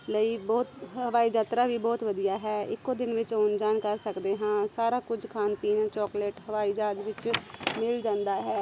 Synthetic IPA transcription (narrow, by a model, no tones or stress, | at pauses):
ləiːbɔːt̪ɦəʋaːiːd͡ʒaːt̪ɾaːʋiːbɔːt̪ʋəd̪ijaːɦɛːɪ̰kːoːd̪ɪnʋɪt͡ʃoːnd͡ʒaːnkəɾsəkd̪eːɦãːsaːɾaːkʊd͡ʒkʰaːnpiːnːt͡ʃɔːkleːʈɦəʋaːiːd͡ʒaːd̪ʋɪt͡ʃmɪld͡ʒãːnd̪aːɦɛː